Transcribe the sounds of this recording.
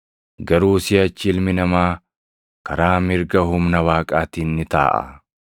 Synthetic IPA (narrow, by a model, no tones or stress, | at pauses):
ɡɐɾuːsɪɐt͡ʃːɪɪlmɪnɐmaː | kɐɾaːmɪɾɡɐɦʊmnɐwaːkʼaːt̪iːnːɪt̪a̰ːʔɐ̰